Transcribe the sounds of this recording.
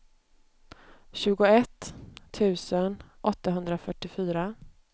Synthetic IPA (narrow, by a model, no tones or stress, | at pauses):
ɕʉ̟ːɡʊɛt̪ʰːʉ̟ːsənʔɔt̪ːaɦɵnd̪ɾafœʈːɪfyːɾa